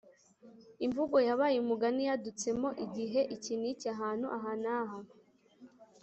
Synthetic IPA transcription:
iɱvuɡo̞jaβaːjuumuɡanijadut͡se̞mo̞ʔiɟiɦe̞ʔicinicaɦaːn̥huʔaɦaːnaɦanu

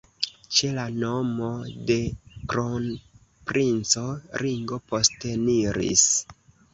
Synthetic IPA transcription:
t͡ʃe̞lano̞mo̞de̞kɾon | pɾʔint͡so̞ɾiŋɡo̞po̞steniɾḭs

